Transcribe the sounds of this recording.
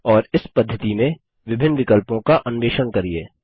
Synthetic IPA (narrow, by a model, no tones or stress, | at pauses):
ɔːɾɪspɐd̪ʱːət̪imẽ | ʋɪbʱɪnːʋɪkəlpõkaʔɐnʋeːʃənkɐɾieː